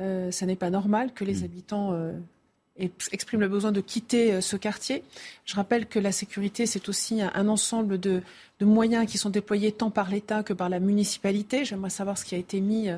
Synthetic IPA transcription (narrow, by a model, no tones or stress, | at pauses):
øsanɛpanɔʁmalkəlezabit̪ɑ̃ø | ɛɛkspχimləbəzwɛ̃d̪əkʲʰit̪eøsəkaʁt̪jeʒ̥əʁapɛlkəlasekʲyʁit̪esɛt̪osiɛ̃ʔɛ̰̃nɑ̃sɑ̃bləd̪ə | d̪̥əmwajɛ̃kʲisɔ̃d̪eplwajet̪ɑ̃paʁlet̪akəpaʁlamynisi̥palit̪eʒɛmʁɛsavwaʁsə̥kʲiaet̪emi